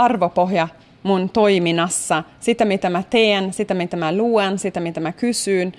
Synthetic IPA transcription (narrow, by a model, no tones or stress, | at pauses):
ɑrʋopoɦjɑ | munt̪o̞iminɑsːɑsit̪æmit̪æmæt̪eːnsit̪æmit̪æmæluensit̪æmit̪æmækysyːn